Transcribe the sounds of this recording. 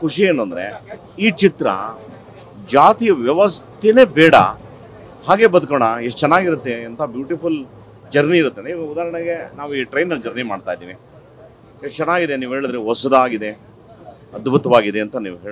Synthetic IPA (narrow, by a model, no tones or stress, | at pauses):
kuʂieːnːɐnd̪ɐɾe̞̰ | iːt͡ʃit̪ɾɐ̰ | d͡ʒaːt̪ijɐʋjɐʋɐst̪ine̞ːbɛːɽɐ̰ | haːɡe̞bɐd̪ukoɳɐeʂt͡ʃɛnːaːɡiɾut̪ːeɐnt̪ʰɐbjuːʈipul | d͡ʒɐɾniːɾut̪ːenud̪aːɾɐɳɐɡenaːʋuiːʈɾɐjnːɐld͡ʒɐɾnimaːɖt̪aːjd̪iːʋi | eʂt͡ʃɛnːaːɡid̪eniːʋuɦeːɭid̪ɾeɦɔsɐd̪ɐaːɡid̪e̞ | ɐd̪but̪ɐʋaːɡid̪e̞ɐnt̪ɐnḭːʋuɦeː